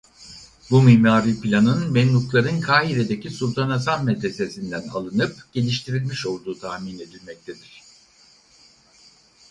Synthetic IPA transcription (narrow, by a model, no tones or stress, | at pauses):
bumimaːɾipilʲanɯnmɛnːuklˠaɾɯnkʰaːɦiɾe̞d̪e̞cʰisulʲˠt̪ʰanasanmɛd̪ɾese̞sind̪æna̰lˠɯnɯpɟ̥e̞lʲiʃt̪ʰiɾilʲmiʃo̞lˠd̪uːt̪ʰahmine̞d̪ilʲmɛc̚t̪ʰe̞d̪iɾ̝̥